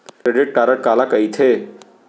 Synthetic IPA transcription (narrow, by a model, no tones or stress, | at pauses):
kɾeɖiʈ̚ʈaːɾəʈ̚kaːlakəit̪ʰe